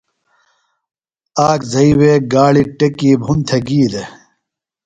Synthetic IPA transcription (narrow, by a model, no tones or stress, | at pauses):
aːkzɐiweːɡaːɭiʈekiːbʱunt̪ʰeɡiːd̪e